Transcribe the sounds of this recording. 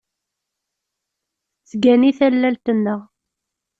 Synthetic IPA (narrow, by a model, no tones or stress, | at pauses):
t͡sːɡæniθælːælt̪ənːəʁ